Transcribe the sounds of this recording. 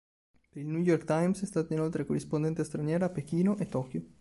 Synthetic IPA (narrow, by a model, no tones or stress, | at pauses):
peɾilnujorkt̪ajmsɛst̪aːt̪ainolt̪ɾekorːispond̪ɛnt̪est̪ɾanjɛːɾapekiːnoʔet̪ːɔːkjo